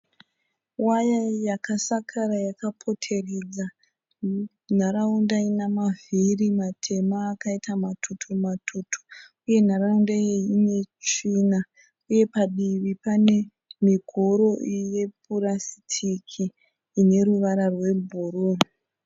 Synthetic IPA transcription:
wajajakasakʰaɾajakapʰo̞tʰe̞red͡za | n̤aɾaundainamavʱirimatʰe̞maːkaitamatʰutʰumatʰutʰu̥ | uje̞n̤aɾaundajeine̞t͡ʃina | uje̞paɗiʋipane̞ | miɡʱoɾo̞ʔje̞p̚ʰurasi̥tʰikʰiː | ne̞ɾuʋaɾarwe̞bʱuruːn

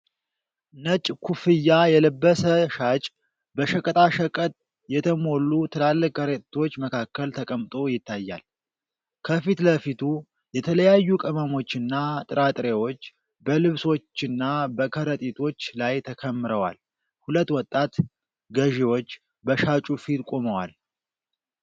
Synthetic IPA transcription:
nət͡ʃʼkʰufɨjːajɛləbːəsəʃat͡ʃʼ | bəʃəkʼət̪ʼaʃəkʼət̪ʼ | jɛt̪ʰəmo̞lːut̪ʰəlalːɨkkəɾet̪ʰo̞t͡ʃːməkʰakːəlt̪ʰəkʼəmt̪ʼo̞jɪt̪ːajːa̰l | kʰəfit̪ləfit̪ʰu | jɛt̪ʰələjajːukʼəməmo̞t͡ʃːɨnːat̪ʼɨɾat̪ʼɾewo̞t͡ʃː | bəlɨβso̞t͡ʃːɨnːabəkʰəɾət̪ʼit̪ʰo̞t͡ʃːlajt̪ʰəkʰəmːɨɾəwa̰l | hulət̪ːwɔt̪ʼːat̪ | ɡəʒewo̞t͡ʃː | bəʃat͡ʃʼufit̪kʼo̞məwa̰l

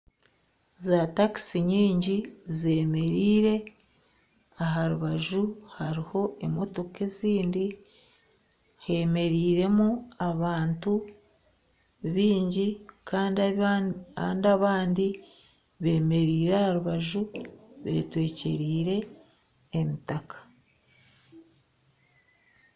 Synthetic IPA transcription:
zataki̥siɲiːɲɟize̞ːme̞ɾiːɾe̞ | aɦaɾuβaʒuhaɾiho̞emo̞to̞ke̞ziːndi | he̞me̞ɾiːɾe̞muaβaːntu | βiːɲɟikʰaːndi | aːndiaβaːndi | βe̞ːme̞ɾiːɾeahaɾuβaʒuβe̞̰ːtwe̞ːce̞ɾiːɾe̞ː | mitakḁ

